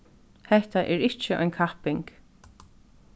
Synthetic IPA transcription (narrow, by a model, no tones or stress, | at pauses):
hɛht̪aʔɛɹɪht͡ʃɪʔɔ̰jnkʰahpɪŋk